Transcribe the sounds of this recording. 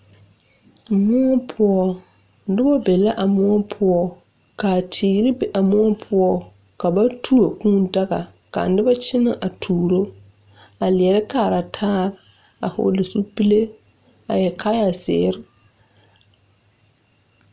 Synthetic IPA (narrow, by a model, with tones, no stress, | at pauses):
mʊ˦ɔ˦pʰʊ˦ɔ˦ | dɪ˦ba˦bɛ˨la˦ʔa˨mʊ˦ɔ˦pʰʊ˦ɔ˦ | ka˨tʰiː˨ɡɾɪ˦bɛ˨ʔa˨mʊ˦ɔ˦pʰʊ˦ɔ˦ | ka˨ba˦tʰu˦o˨kũ˦n˦da˦ɡa̰˨ | ka̰˨n̩˦dɪ˦ba˦t͡ʃɪ˦na̰˨ʔa˨tʰuː˨ɾo˦ | a˨lɪ˨ɛ˨ɾɪ˦kaː˨ɾa˨tʰaː˦ɾ | a̰˨hʊ̰˦lɪ˨su˦pi˦le˦ | a̰˨jɛ˨kʰa˦ja˨sɪ̰ː˦ɾɪ˦